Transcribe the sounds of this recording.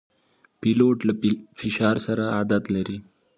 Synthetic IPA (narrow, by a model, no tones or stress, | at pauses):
piloʈləifiɕaɾsəɾaad̪at̪ləɾi